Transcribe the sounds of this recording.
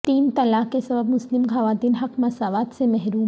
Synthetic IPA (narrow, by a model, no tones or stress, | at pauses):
t̪iːnt̪ɐlaːkkːesɐbəbmʊslɪmɡʱaʋaːt̪iːnɦɐqmɐsaːʋaːt̪semɛɦɾuːm